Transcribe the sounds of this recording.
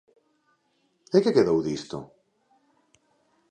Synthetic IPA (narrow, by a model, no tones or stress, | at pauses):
ekekeðowðist̪o̰